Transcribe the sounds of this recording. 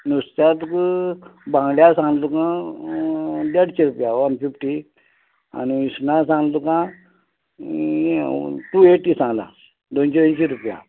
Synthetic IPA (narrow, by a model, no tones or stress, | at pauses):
nust̪at̪k | bãŋɡljasãŋlukã | d̪ɛɽt͡ɕeɾupjaʋanfifʈi | a̰niisnasãŋlukã | ʈueʈːisãŋɡla̰ | d̪ont͡ɕeənɕeɾupja̰